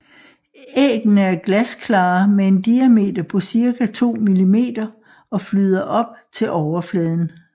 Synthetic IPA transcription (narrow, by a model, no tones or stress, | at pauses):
eːɡ̥n̩əæɐɡ̥læskʰlɑ̈ːmee̝nd̥iæme̝̰ːd̥ɐpʰɒ̽siɐkʰæt͡sʰo̝̰ːmilime̝̰ːd̥ɐ | ɒ̽flyð̞ˠɐʔɒ̽b̥̚t͡sʰe̝lʔɒʊɐflɛːð̞ˠn̩